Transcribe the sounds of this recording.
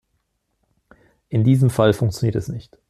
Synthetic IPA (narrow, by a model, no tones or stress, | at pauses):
ʔɪndiːzəmfalfʊŋkt͡sjoniːɐtɛsnɪçt